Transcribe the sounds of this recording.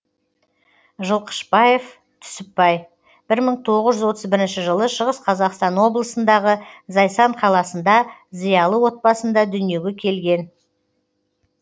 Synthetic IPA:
ʒəlˠqʰə̥ʃbɑje̞f | t̪ʰʏ̥sɪpːɑj | b̥ɪɾməɴt̪ʰo̞ʁəzʒʏzwo̞t̪əzbɪɾɪnʃɪʒəlˠəʃəʁəsqʰɑzɑqst̪ɑnwo̞blˠəsənd̪ɑʁəzɑjsɑɴqʰɑlˠɑsənd̪ɑzijɑlˠəwo̞t̪̚bɑsənd̪ɑd̪ʏnije̞ɡʲe̞kʲʰe̞lɡʲe̞n

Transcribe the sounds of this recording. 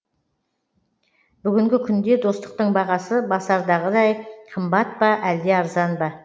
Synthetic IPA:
b̥ʏɡʲɪŋɡʲɪkʲʰʏnd̪e̞d̪o̞st̪ə̥q̚t̪əɴbɑʁɑsəbɑsɑɾd̪ɑʁəd̪ɑjqʰəmbɑt̪̚bɑʔæld̪e̞ɑɾzɑnbɑ

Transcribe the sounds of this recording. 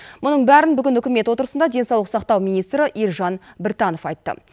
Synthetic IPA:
mʊnəɴbæɾɪnbʏɡʲɪnʏkʲɪme̞t̪wo̞t̪əɾəsənd̪ɑd̪e̞sɑwlˠəqsɑqt̪ɑwmijnijst̪ɾəʔiɾʒɑnbɪɾt̪ɑno̞fɑjt̪ːə̰

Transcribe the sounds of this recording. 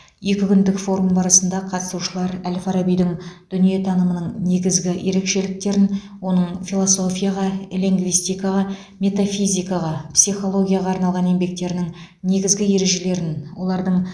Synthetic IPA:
je̞kʲɪkʲʏnd̪ɪkfo̞ɾumbɑɾɑsənd̪ɑqʰɑt̪ə̥suʃəlˠɑɾælfɑɾabijd̪ɪŋd̪̥ʏnije̞t̪ʰɑnəmənəɴne̞ɡʲɪzɡʲɪje̞ɾe̞kʃe̞lɪk̚t̪e̞ɾɪn | wo̞nəɴfilˠoso̞fʲijaʁɑelʲiŋɡvijst̪ijkɑʁɑ | mʲe̞t̪afijzʲijkɑʁɑpsijχo̞lˠo̞ɡʲijaʁɑɑɾnɑlˠʁɑne̞mbe̞k̚t̪e̞ɾɪnɪŋ | ne̞ɡʲɪzɡʲɪje̞ɾe̞ʒe̞le̞ɾɪnwo̞lˠɑɾd̪əɴ

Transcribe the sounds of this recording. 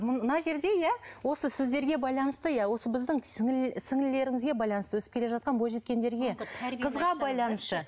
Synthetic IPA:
mnɑʒe̞ɾd̪e̞jæwo̞səsɪzd̪e̞ɾɡʲe̞bɑjlˠɑnəst̪əjæwo̞səbɪzd̪ɪŋsɪŋsɪŋɪle̞ɾɪŋɪzɡʲe̞bɑjlˠɑnəst̪əwɵsɪ̥pkʲele̞ʒɑt̪̚qɑnbo̞lˠʒe̞t̪̚kʲe̞nd̪e̞ɾɡʲeqʰəzʁɑbɑjlˠɑnəst̪ə

